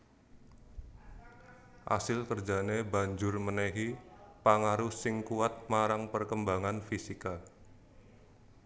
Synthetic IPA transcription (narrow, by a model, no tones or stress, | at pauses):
ʔa̰sɪlkərd͡ʒanebaɲd͡ʒʊrmənɛɦipaŋaɾʊsɪŋkuat̪̚maɾaŋpərkəmbaŋanfisika